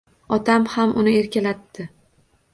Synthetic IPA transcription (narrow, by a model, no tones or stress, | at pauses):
ɒt̪ʰamhamʔʊnɪe̞ɾkʲalat̪ːɪ